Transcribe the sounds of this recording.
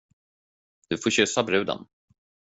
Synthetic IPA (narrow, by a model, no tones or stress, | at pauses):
d̪̥ɵfoːɕʏsabɾʉ̟ːd̪ə̰n